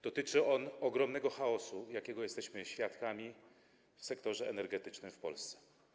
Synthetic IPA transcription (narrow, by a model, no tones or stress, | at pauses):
d̪̥ɔt̪ɘt͡ʂɘɔnɔɡɾɔmnɛɡɔxaɔsujakʲɛɡɔjɛst̪ɛɕmɘɕfʲjat̪kamʲi | fsɛkt̪ɔʐɛʔɛ̰nɛɾɡɛt̪ɘt͡ʂnɘmfpɔ̰lst̪sɛ̥